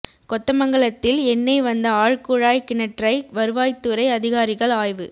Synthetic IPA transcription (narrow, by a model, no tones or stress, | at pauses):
kɔt̪ːɐmɐŋɡɐɭɐt̪ːɪlɛnːɐɪʋɐnd̪ɐaːɻkʊɻaːjkɪnɛʈrɐɪʋɐɾɯʋaːjt̪ːɯɾɐɪɐðɪɣaːɾɪɣɐɭaːjʋɯ